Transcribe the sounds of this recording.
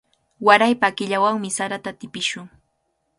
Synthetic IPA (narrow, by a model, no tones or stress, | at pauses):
waɾajpaːkɪʎawaŋmɪsaɾat̪at̪ɪpɪʃʊŋ